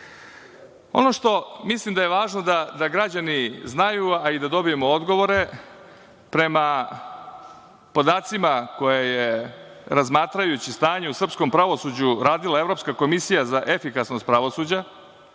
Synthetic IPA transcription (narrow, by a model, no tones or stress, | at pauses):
o̞̰no̞ʂt̪o̞mislˠimd̪ajeʋaːʒno̞d̪ad̪aɡɾad͡ʑaniznajuaid̪ad̪o̞bije̞mood̪ɡo̞ʋo̞ɾe̞ | pɾe̞ma | po̞d̪aːt̪simako̞jeje | ɾazmaːt̪ɾajut͡ɕist̪aːɲe̞usr̩psko̞mpɾaʋo̞suːd͡ʑuɾaːd̪ilae̞vɾo̞ːpskako̞misijazaʔe̞fikasnost̪pɾaʋo̞suːd͡ʑa